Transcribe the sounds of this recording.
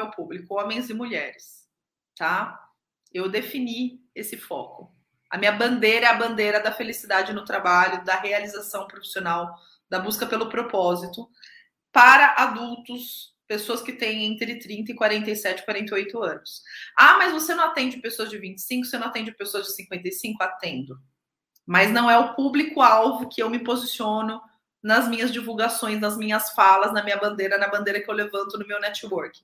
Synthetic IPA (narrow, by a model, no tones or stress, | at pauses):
ewpublikʊõmẽj̃zɪmuʎɛɾɪs | t̪a | ewd̪efiniesɪfɔ̰kʊ | ɐ̰mĩɲɐbɐ̃nd̪eɾɐɛɐbɐ̃nd̪eɾɐd̪ɐfelisid̪ad͡ʒɪnʊt̪ɾabaʎʊd̪ɐɦealizasɐ̃w̃pɾofi̥sionaw | d̪ɐbuskɐpelʊpɾopɔzit̪ʊ | paɾɐʔad̪uwt̪ʊs | pesoɐskɪt̪ẽj̃ẽnt̪ɾɪt̪ɾĩnt̪ɐɪkwaɾẽnt̪ejsɛt͡ʃɪ̥kwaɾẽnt̪eojt̪ʊɐ̃nʊsamɐjzvosenɐ̃w̃at̪ẽd͡ʒɪpesoɐzd͡ʒɪvĩnt͡ʃɪ̥sĩŋkʊosenɐ̃w̃at̪ẽd͡ʒɪpesoɐzd͡ʒɪsĩŋkwẽnt̪ejsĩŋkʊat̪ẽnd̪ʊ | mɐznɐ̃w̃ɛʊpublikʊawvʊkɪewmɪpozisiõnʊ | nɐzmĩɲɐzd͡ʒivuwɡasõj̃snɐzmĩɲɐsfalɐznɐmĩɲɐbɐ̃nd̪eɾɐnɐbɐ̃d̪eɾɐkɪewlevɐ̃nt̪ʊnʊmewnɛt͡ʃiwoɾkɪ̥